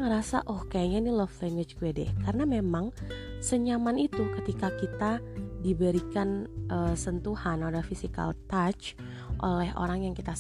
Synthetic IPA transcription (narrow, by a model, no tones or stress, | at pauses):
ŋəɾasa̰ʔɔhkajaɲainilɔflɛŋɡwɪt͡ʃkuɛdɛ̰karənamemaŋsəɲamanit̪ukət̪ikakit̪adibəɾikanʔəsənt̪uhanodahfisika̰lt̪at͡ʃ | ʔo̰lɛɦʔo̰ɾaŋjaŋkit̪a